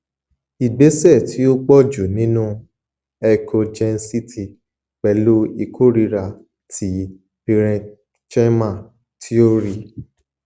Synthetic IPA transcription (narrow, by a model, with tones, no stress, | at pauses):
i˨ɡ͡be˨˦sɛ˦˨ti˨˦o˦ɡ͡bɔ˦˨d͡ʒo˨nĩ˨˦nũ˦ | ɛ˧kʰo˧d͡ʒɛ˧n̩˦si˦tʰi˧˨ | k͡pɛ˧lo˦i˧kʰo˦˨ɾi˧ɾa˨ | tʰi˨˦ | pi˧ɾɛ̃˧ | t͡ʃɛ˦mã˦˨ | tʰi˦o˦ɾi˦˧˨